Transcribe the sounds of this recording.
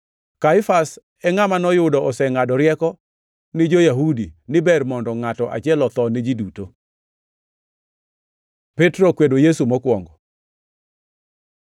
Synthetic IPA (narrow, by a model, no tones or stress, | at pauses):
kaɪfas | ɛŋamanɔjʊdɔʔɔsɛŋadɔɾjɛkɔ | nɪd͡ʒojaɦudinɪbɛrmɔndɔŋatɔʔa̰t͡ʃjɛlɔt̪ɔnɪd͡ʒiduto | pɛtɾokwedojesumɔkwɔŋɡɔ